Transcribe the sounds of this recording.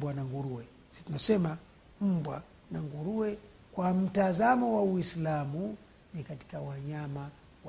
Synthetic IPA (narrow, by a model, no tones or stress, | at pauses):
bwanaŋɡuɾuwɛ | si̥tunasɛma | m̩bwa | naŋɡuɾuɛ | kwam̩tazamɔwawislamu | nikati̥kawaɲama | wa